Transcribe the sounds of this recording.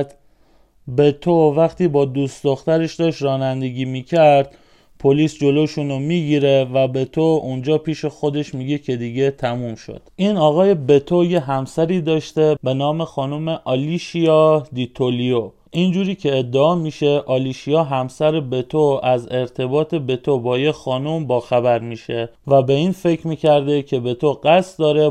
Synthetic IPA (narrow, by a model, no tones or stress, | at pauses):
d̪ | be̞t̪ʰovæχt̪ʰiːbɒːd̪uːst̪d̪oxt̪æɾeʃd̪ɒːʃtɾɒːnænd̪e̞ɡiːmiːcʰæɾd̪̥̚ | pʰoliːsd͡ʒo̞loʃunomiːɟiːɾevæbe̞t̪ʰound͡ʒɒːpʰiːʃe̞xo̞d̪e̞ʃmiːɟecʰe̞d̪iːɟe̞t̪ʰæmuːmʃo̰d̪̥ʔiːnɒːɣɒːje̞be̞t̪ʰojeɦæmsæɾiːd̪ɒːʃt̪e̞be̞nɒːme̞xɒːnomeʔɒːliʃijɒːd̪it̪ʰolijo | ʔind͡ʒuːɾiːcʰe̞ːd̪ːeɒːmiːʃe̞ʔɒːliːʃijɒːɦæmsæɾebe̞t̪ʰoæze̞ɾt̪ʰe̞bɒːt̪ʰe̞be̞t̪ʰobɒːjexɒːnombɒːxæbæɾmiːʃevæbe̞iːnfe̞cʰɾmiːcʰæɾd̪ecʰe̞be̞t̪ʰoɢæst̪d̪ɒːɾe